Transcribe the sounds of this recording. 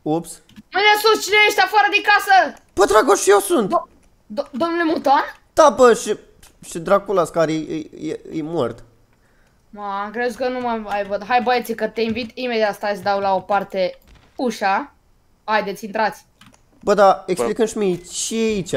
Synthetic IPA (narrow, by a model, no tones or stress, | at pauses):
ops | məd̪esust͡ʃineeʃt̪ʲafaɾəd̪ekasə | b̥əd̪ɾaɡoʃjewsunt̪ | d̪o̞mnule̞mut̪ond̪̥abəʃi | ʃid̪ɾaɡkulaskaɾḛjjḛjmort̪ | makɾezkənuməajvəd̪ɦajbəet̪sikət̪e̞invit̪imed̪jat̪st̪asʲd̪awlao̞part̪e | uʃa | ajd̪et̪sʲint̪ɾat̪sʲ | bəd̪aeksplikɨnʃmit͡ʃiait͡ʃʲa